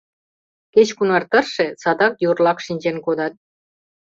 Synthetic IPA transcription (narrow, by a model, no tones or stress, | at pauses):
ket͡ɕkunɑrt̪ərʃesɑd̪ɑkjurlɑkʃinʲd͡ʑenkod̪ɑt̪̚